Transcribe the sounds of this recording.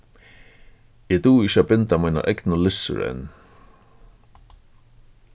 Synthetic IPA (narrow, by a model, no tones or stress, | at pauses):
ɛt̪uːɪʃabɪnt̪amajna̰ʔɛknəlɪsʏ̰ɾɛ̰nː